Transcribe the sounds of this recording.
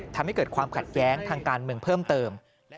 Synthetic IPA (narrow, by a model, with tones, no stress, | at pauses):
t̪ʰa˧mha˥˩jkɤː˨˩kʰwaː˧mkʰa˨˩t̪̚jɛː˦˥ŋt̪ʰaː˧ŋkaː˧nmɯ˧əŋpʰɤː˥˩mt̪ɤː˧m